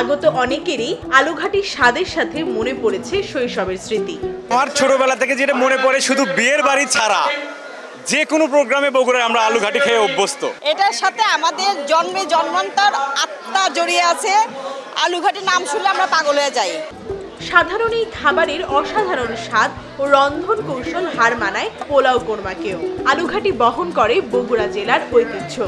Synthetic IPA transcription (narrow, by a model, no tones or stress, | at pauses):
aɡot̪oʔɔnekeɾialuɡʱaʈiʃad̪eɾʃat̪ʰemonepoɾet͡ɕʰeʃojʃɔbeɾsɾit̪iamaɾt͡ɕʰoʈobɛlat̪ʰeked͡ʑeʈamonepɔɾeʃud̪ʱubieɾbaɾit͡ɕʰaɾa̰ | d͡ʑekonopɾoɡɾameboɡuɾaeamɾaaluɡʱaʈikʰeeobːost̪o̰eʈaɾʃat̪ʰeamad̪eɾd͡ʑɔnmed͡ʑɔnmant̪aɾat̪ːad͡ʑoɾieat͡ɕʰea̰luɡʱaʈinamʃuleamɾapaɡolɦojed͡ʑaj | ʃad̪ʱaɾonejkʰabaɾeɾɔʃad̪ʱaɾonʃad̪ | oɾɔnd̪ʱonkowʃolɦaɾmanaepolawkoɾmakeoaluɡʱaʈibɔɦonkɔɾeboɡuɾad͡ʑelaɾojpit̪ːɕʰo